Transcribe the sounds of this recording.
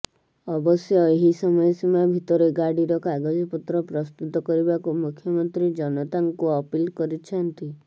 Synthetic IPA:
ɔbɔsjɔeɦisɔmɔjɔsimabʱit̪ɔɾeɡaɽiɾɔkaɡɔd͡ʒɔput̪ɾɔpɾɔst̪ut̪ɔkɔɾibakumukʰjɔmɔnt̪ɾid͡ʒɔnɔt̪aŋkuɔpilkɔɾit͡ʃʰɔnt̪i

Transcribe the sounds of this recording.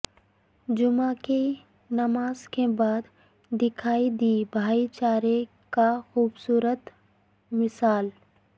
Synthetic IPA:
d͡ʒʊmake | nɐmaːzkebaːd̪ː | ɪkʰaːid̪iːbʱaːit͡ʃaːɾe | kaxuːbsuːɾət̪ | mɪsaːl

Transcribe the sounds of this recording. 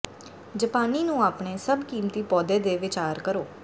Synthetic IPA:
d͡ʒəpaːniːnũːaːpɳeːsəbkiːmt̪iːpɔːd̪eːd̪eːʋɪt͡ʃaːɾkəɾoː

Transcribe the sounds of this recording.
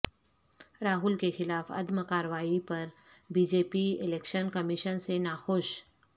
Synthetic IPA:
ɾaːɦʊlkexɪlaːfɐ̰d̪məkaːɾəʋaːipɐɾ | biːd͡ʒeːpiɪleːkʃənkɐmɪʃənsenaːxoʃ

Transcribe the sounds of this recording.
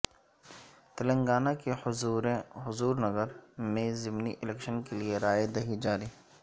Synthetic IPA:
t̪ɐlə̃ŋɡaːnakeɾɦʊzuːɾnɐɡəɾmẽzɪmniʔɪlɛːkʃənkelieɾaːjed̪ɐɦid͡ʒaːɾiː

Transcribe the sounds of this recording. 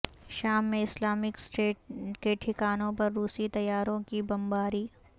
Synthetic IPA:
ʃaːmːẽɪslaːmɪksʈeːʈ̚keːʈʰɪkaːnõpɐɾːuːsit̪ɐjaːɾõkibɐ̃mbaːɾiː

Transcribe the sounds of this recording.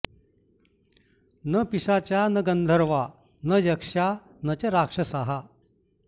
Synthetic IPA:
nəpiʂat͡ɕjanəɡənd̪ʱəɾʋa | nəjəkʂa | nət͡ɕəɾakʂəsaɦa

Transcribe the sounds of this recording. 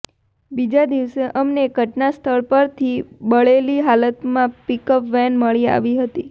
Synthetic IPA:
bid͡ʒad̪iʋseʔəmneɡʱəʈnast̪ʰəɭpəɾt̪ʰibəɭeliɦalət̪mãpikəpʋɛnməɭia̰ʋiɦət̪i

